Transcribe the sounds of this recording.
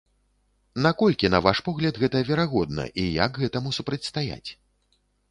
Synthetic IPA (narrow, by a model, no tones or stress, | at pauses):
nakɔlʲkʲinɐvaʂpɔɣlʲɐd̪ɣɛt̪ɐvʲɛɾaɣɔd̪̚nɐ̰ʔija̰ɡɣɛt̪ɐmusupɾɐt͡sʲst̪aja̰t͡sʲ